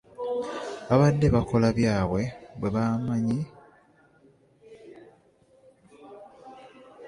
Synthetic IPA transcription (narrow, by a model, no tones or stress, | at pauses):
aβadːeβako̞laβjaːβwe̞βwe̞βaːmaɲi